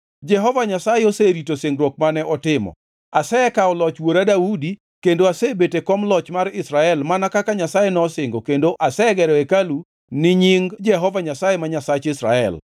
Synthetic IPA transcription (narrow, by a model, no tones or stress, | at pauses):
d͡ʒɛɦɔvaɲasajeoseɾitoseŋɡɾwɔk̚manɛʔɔtɪmɔ̰ | asɛkaɔlɔt͡ʃwoɾadaudi | kendoasebetekɔmlɔt͡ʃmaɾɪsɾaɛlmanakakaɲasajenɔsɪŋɡokendoʔasɛɡɛɾɔekalu | nɪɲɪŋd͡ʒɛɦɔvaɲasajemaɲasat͡ʃɪsɾa̰ɛ̰l